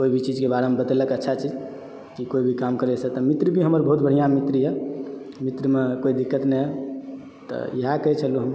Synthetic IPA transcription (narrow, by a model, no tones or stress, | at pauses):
koibʱit͡ʃid͡ʒkebaɾemebət̪eləkətːʃʰat͡ʃid͡ʒ | kikoibʱikamkəɾɛsɛt̪əmit̪ɾibʱiɦəməɾbʱəɦut̪̚bəɽ̤ijãmit̪ɾiɦɛ | mit̪ɾimekoid̪ikːət̪nɛ | t̪ɔ̰jəɦakət͡ʃʰəluɦəm